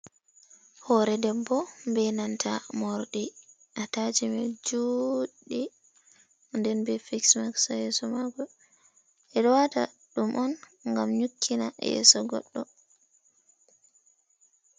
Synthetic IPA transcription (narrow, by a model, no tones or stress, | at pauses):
hɔɾɛdɛbːɔmbɛnantʰamɔɾɗi | ʔatad͡ʒimɛd͡ʒuɗi | ndɛnbɛfiksmaksajɛsɔmaɡɔ | ʔɛɗɔwata̰ | ɗumʔɔn | ŋɡamɲukʰːina̰jɛ̰sɔɡɔ̰ɗːɔ